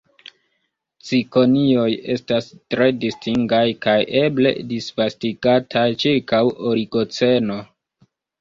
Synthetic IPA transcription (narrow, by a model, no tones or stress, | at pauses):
t͡siko̞nio̞je̞̰stastɾe̞distʰiŋɡajkajʔe̞ble̞̰disvastiɡatʰajt͡ʃiɾkawo̞ɾiɡo̞t͡se̞no̞